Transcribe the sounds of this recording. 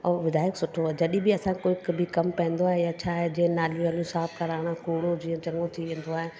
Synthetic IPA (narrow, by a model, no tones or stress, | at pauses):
ɔːʋɪd̪aːjɪksʊʈʰoɦaːɦed͡ʑɐɗĩbɪɐsãkoːɪkbʱɪkɐmpɐ̃ɦə̃nd̪oaːɦejat͡ɕʰaːɦed͡ʑĩːə̃naːljũaːlijũsaːpkɐɾaːɽ̃ãkoːɽod͡ʑiːə̃t͡ɕɐ̃ŋɡõt̪ʰiʋẽːn̆d̪oaːɦe